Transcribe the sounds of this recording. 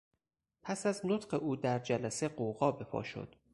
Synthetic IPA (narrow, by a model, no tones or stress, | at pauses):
pʰæsæznot̪ɢe̞ʔuːd̪æɾd͡ʒælæseɢoɣɒːbe̞pʰɒ̰ːʃo̰d̪̥